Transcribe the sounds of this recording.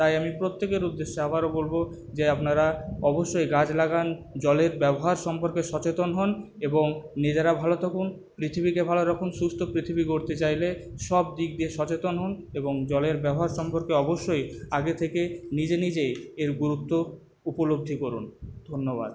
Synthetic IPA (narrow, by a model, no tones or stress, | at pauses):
t̪ajamipɾot̪ːekeɾud̪ːeʃːeabaɾobolbo | d͡ʑeapnaɾaɔboʃːojɡad͡ʑlaɡand͡ʑɔleɾbɛboɦaɾʃɔmpoɾkeʃɔt͡ɕet̪onɦɔn | eboŋnid͡ʑeɾabʱalot̪ʰɔkʰun | pɾit̪ʰibikebʱaloɾɔkʰunʃust̪ʰopɾit̪ʰibiɡoɾt̪et͡ɕajleʃɔb̚d̪ik̚d̪ieʃɔt͡ɕet̪onɦɔneboŋd͡ʑɔleɾbɛboɦaɾʃɔmpoɾkeɔboʃːojaɡet̪ʰekenid͡ʑenid͡ʑejeɾɡuɾut̪ːo | upolob̚d̪ʱikoɾund̪ʱonːoba̰d̪